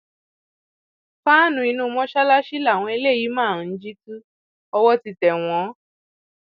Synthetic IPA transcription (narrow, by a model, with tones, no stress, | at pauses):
fa˦nũ˧i˧nũ˦˧mɔ̃˦ʃa˦la˦ʃi˦la˦˨w̃ɔ̃˧e˧˦le˦˨ji˨˦mãː˦˨˦d͡ʒi˦tũ˦ | ɔ˧wɔ˦ti˧tɛ˨w̃ɔ̃˨˦